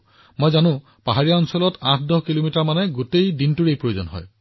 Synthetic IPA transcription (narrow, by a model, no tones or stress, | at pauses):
mojzanʊ̃ | paɦaɹijaɔnsɔlɔtãtʰdɔɦkilomitaɹmanɛɡotejdintuɹejpɹojozɔ̰nɦɔ̰j